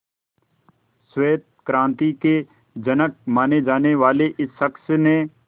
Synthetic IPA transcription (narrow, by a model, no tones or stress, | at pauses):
sweːt̪̚kɾãːnt̪ike | d͡ʒənək̚maːned͡ʒaːneʋaːleʔɪsːəksnẽ